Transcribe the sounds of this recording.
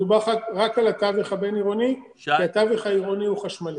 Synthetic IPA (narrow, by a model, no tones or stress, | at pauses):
ubaχaʁakalat̪aviχabeniʁo̞ni | kiat̪aviχaiʁo̞niuχaʃmali